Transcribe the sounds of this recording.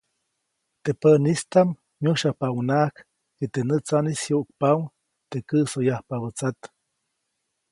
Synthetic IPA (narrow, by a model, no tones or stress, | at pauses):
t̪epənist̪am | ɲuʃapawnak | et̪enət͡sanisjuʔk̚paw | t̪ekəsojahpaβət͡sat̪